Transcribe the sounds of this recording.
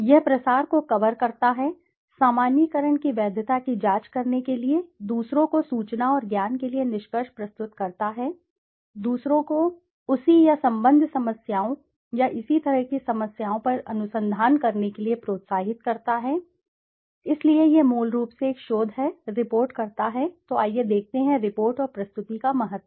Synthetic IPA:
jɛɦpɾɐsaːɾkokɐʋəɾkɐɾt̪aɦɛ | saːmaːnjikəɾəɳ̃kiʋɛːd̪ʱət̪akid͡ʒaːt͡ʃkɐɾnekelied̪uːsɾõkosuːt͡ʃnaɔːɾɡjaːnkelienɪʃkəʃpɾɐst̪ʊt̪kɐɾt̪aɦɛː | d̪uːsɾõko | ʊsijasɐ̃mbə̃nd̪ʱsɐməsjaːõ | jaʔɪsit̪ɐɾəɦkisɐməsjaːõpɐɾɐnʊsə̃nd̪ʱaːnkɐɾnekeliepɾoːt̪saːɦɪt̪̚kɐɾt̪aɦɛ | ɪsliejemoːlɾuːpseːkʃoːd̪ʱɦɛɾɪpoːɾʈkɐɾt̪aɦɛt̪oaːjed̪eːk̚ʰt̪eɦɛ̃ɾɪpoːɾʈɔːɾpɾɐst̪ʊt̪ikamɐɦət̪ːwə

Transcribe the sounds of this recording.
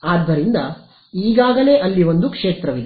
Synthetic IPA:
aːd̪ʱːɐɾind̪ɐ | iːɡaːɡɐle̞ːʔɐlːiʋo̞nd̪ukʂeːt̪ɾɐʋid̪e

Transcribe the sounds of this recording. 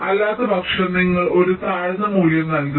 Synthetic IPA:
ɐlːaːt̪ɐbɐkʂɐniŋːɐɭʔo̞ɾut̪aːɻɐnɐmuːljɐmnɐlku

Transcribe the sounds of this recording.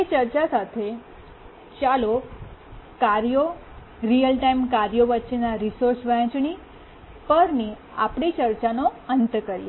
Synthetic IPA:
et͡ʃəɾt͡ʃasat̪ʰe | t͡ʃalo | kaɾjo | ɾijəlʈaimkaɾjoʋətːʃenaɾisoɾsʋə̃t͡ʃɳi | pəɾni | apɳit͡ʃəɾt͡ʃanoənt̪kəɾje

